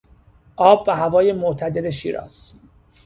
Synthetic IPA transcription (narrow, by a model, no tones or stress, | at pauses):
ʔɒːbvæɦævɒːjemot̪ʰæd̪e̞d̪eʃḭːɾɒ̰ːz̥